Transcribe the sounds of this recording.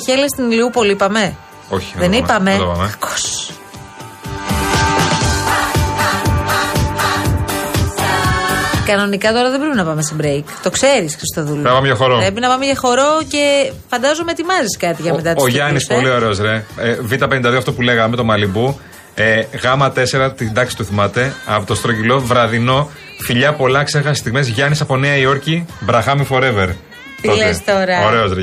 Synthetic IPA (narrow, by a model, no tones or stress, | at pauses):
çelest̪iniliupo̞lipɐme̞ | oçi̥ðenipɐme̞t̪opɐmeɐko̥s | kɐno̞nikɐt̪o̞ɾɐðe̞bɾepinɐpɐme̞st̪ibɾejkt̪o̞kse̞ɾisxɾist̪oðulonɐpɐmeʝɐxoɾopɾep̬inɐpɐmeʝɐxo̞ɾo̞ce̞fɐnd̪ɐzomeet̪imɐziskɐt̪iʝɐet̪ɐt̪oʝɐnisolio̞ɾeozɾevit̪ɐpe̞nind̪ɐðioɐft̪opule̞ɣɐme̞t̪o̞mɐlibu | eɣɐmɐt̪e̞se̞ɾɐt̪id̪ɐksit̪uθimɐt̪e̞ɐpt̪ost̪ɾocilo̞vɾɐðino̞ | fiʎɐpo̞lɐksexɐsist̪iɣmezʝɐnisɐpo̞neɐio̞ɾcibɾɐxɐmifo̞ɾe̞veɾ | t̪iolest̪oɾɐoɾe̞ozɾe